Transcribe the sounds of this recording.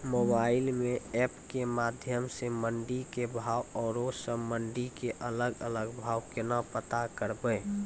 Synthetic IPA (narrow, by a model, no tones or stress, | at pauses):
mobaɪlmẽɛpkemad̪ʱjəmseməɳɖikebʱaːwɔːɾosə̃məɳɖikeʔələɡələɡbʱaːwkɪnapət̪akəɾbə